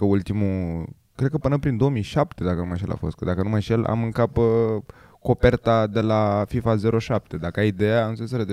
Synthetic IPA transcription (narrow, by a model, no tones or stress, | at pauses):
əult̪imu | kɾed̪kəpɨnəpɾind̪o̞omijʃapt̪e̞d̪akənumajʃielʔa̰fo̞st̪kəd̪akənumajʃela̰mɨŋkap | ko̞pe̞rt̪ad̪e̞lafifaze̞ɾo̞ʃap̚t̪e̞d̪akəajid̪e̞januses̬əɾed̪